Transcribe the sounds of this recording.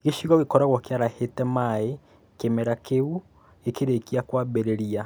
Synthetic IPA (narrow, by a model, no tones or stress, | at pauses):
ɣeʃiɣɔɣekɔɾaɣɔkjaɾahetɛmae | kemɛɾakeu | ekeɾekiakwabɛɾeɾia